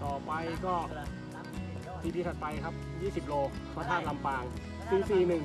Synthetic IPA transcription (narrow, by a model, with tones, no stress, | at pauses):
t̪ʰɔː˨˩pa˧jkɔː˥˩ | pʰiː˧t̪iː˧t̪ʰa˨˩t̪̚pʰa˧jkʰa˦˥p̚jiː˥˩si˨˩p̚loː˧ | pʰaː˧˩t̪ʰaː˥˩nla˧mpaː˧ŋ | sʰɯ˧˩ŋsiː˨˩nɯ˨˩